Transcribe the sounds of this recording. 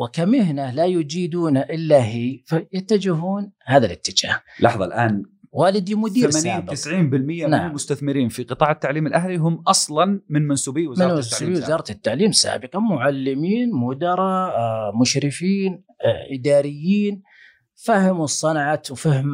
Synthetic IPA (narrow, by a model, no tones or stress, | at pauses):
wɪkamɪhnalajʊd͡ʒiːd̪uːnaʔɪlːaɦiːfajat̪ːad͡ʒɪɦuːnhaːðalɪ̰t̪ːɪd͡ʒa̰ːhlɑħðˤɑ̰lʔaːnwaːlɪd̪imʊd̪iːaɾmaniːnt̪ɪsʕiːnbɪlmɪjːamnaʕmʊst̪aθmɪɾiːnfiqɨt̪ˤɑːʕɪt̪ːaʕliːmɪlʔahliɦʊmːʔɑsˤlɑnmɪnmansuːbiːwɪzmɪɾnɪiwɪzɑːɾˤɑt̪ɪt̪ːaʕliːmsa̰ːbɪqɑmʊʕalːɪmiːnmʊd̪ɑɾˤɑmʊʃɾɪfiːn | ʔɪd̪aːɾɪjːiːn | fahɪmusˤːɑnʕawfahm